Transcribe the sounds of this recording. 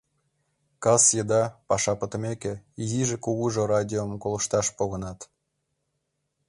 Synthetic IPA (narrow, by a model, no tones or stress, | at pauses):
kɑsjəd̪ɑpɑʃɑpət̪ə̆mekĕiziʒekuɣuʒorɑdʲiomkolə̆ʃt̪ɑʃpoɣə̆nɑt̪